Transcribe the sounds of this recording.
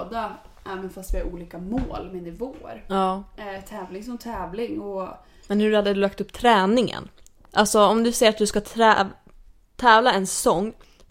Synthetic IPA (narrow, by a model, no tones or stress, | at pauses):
d̪aʔɛːmɛnfast̪vɪhaɾuːliːkamoːlmɛnɪvoːə̰ɾɑːt̪ʰɛːvlɪŋsɔmt̪ʰɛːvlɪŋɔ | mɛnhɵɾhad̪ːəd̪ɵlak̚t̪ɵpːt̪ʰɾɛːnɪŋə̰n | ʔalsɔɔmd̪ɵsɛjəɾat̪̚d̪ɵskat̪ʰɾɛ̰ | t̪ʰɛːvlaɛnsɔŋː